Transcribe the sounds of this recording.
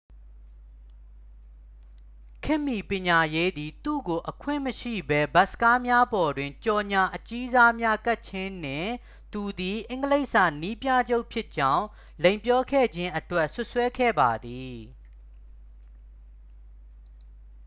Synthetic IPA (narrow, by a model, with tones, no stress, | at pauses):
kʰɪ˦˨mːi˨pjɪ̃˨ɲa˨je˦d̪i˨t̪ṵ˦˨ɡo˨ʔəkʰwɪ̰̃˦˨məʃḭ˦˨bɛ˦ba˦sə̥ka˦mja˦bɔ˨dwɪ̃˨ɲt͡ɕɔ˨ɲa˨ʔət͡ɕi˦za˦mja˦ka˦ʔ̚t͡ɕʰɪ̃˦n̥ɪ̰̃˦˨ | t̪u˨d̪i˨ʔɪ̃˨˦ŋɡəle˦ɪʔsa̰˦˨ni˦pja̰˦˨d͡ʑo˦ʊʔpʰjɪ˦ʔt͡ɕã˦ʊ̃ | lẽ˨mpjɔ˦kʰɛ̰˦˨d͡ʑɪ̃˦ʔətwɛ˦˨ʔsʊ˦ʔswɛ˦kʰɛ̰˦˨ba˨d̪i˨